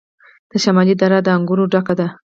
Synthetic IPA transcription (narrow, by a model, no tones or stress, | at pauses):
d̪̥əʃamɑlid̪aɾad̪əaŋɡuɾoɖakad̪a